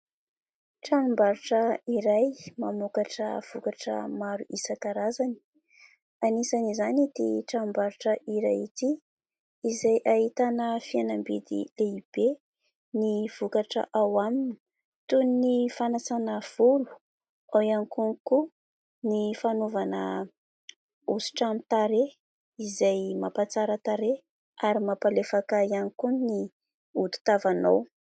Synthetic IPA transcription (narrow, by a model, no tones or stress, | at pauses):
ʈ͡ʂanumbaɾuʈ͡ʂəiɾajmamukaʈ͡ʂə̰v̥ukaʈ͡ʂə̰maɾuʔisakaɾazani̥ | anisanizanid̪̥ḛʈ͡ʂaumbaɾuʈ͡ʂəiɾajit̪i | izajʔaɦit̪anəfianambid̪ḭleib̥e | niv̥ukaʈ͡ʂə̰ʔawamini̥ | t̪unnifanasanav̥ulu̥ | ajanikuniku | nifanovanə̰ | usi̥ʈ͡ʂamit̪aɾe | izajmapat͡saɾət̪aɾe | aɾimapalefakaianikunni | ut̪u̥t̪avanow